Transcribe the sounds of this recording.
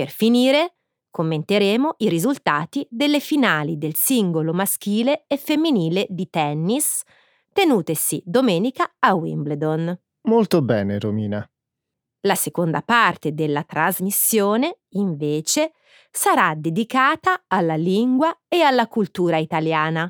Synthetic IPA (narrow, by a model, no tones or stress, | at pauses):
perfiniːɾe | komːent̪eɾeːmoʔiɾizult̪aːt̪id̪elːefinaːlid̪elsiŋɡolomask̟iːleːfemːiniːled̪it̪ɛnːis | t̪enuːt̪esid̪omɛːnikaawḭmbled̪on | molt̪obɛːneɾomiːna | lasekond̪apart̪ed̪elːat̪ɾazmisːjoːne | iɱveːt͡ʃe | saɾad̪ed̪ikaːt̪aːlːaliŋɡwaealːakult̪uːɾait̪aljaːna